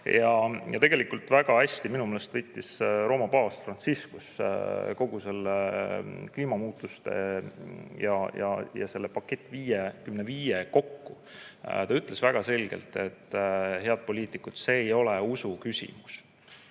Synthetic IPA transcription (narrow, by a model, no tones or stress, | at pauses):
jɑjɑ̰t̪e̞ɡ̥elikult̪ˑvæɡ̥ɑæsʲt̪iminumeːlest̪vɤjt̪ːˑisɾo̞ːmɑpɑːsfrɑnsiskusko̞ɡ̥use̞lːekliːmɑmuːt̪ːˑust̪ḛ | jɑjɑ̰jɑ̰se̞lːepɑkːe̞t̪ːˑviːjekymneviːjeko̞kːu | t̪ɑyt̪ːˑle̞svæɡ̥ɑse̞lɡ̥e̞̰lt̪e̞t̪ːɦe̞ɑd̪̚po̞lʲiːt̪ˑikːˑut̪se̞ːjo̞leusukysʲḭmus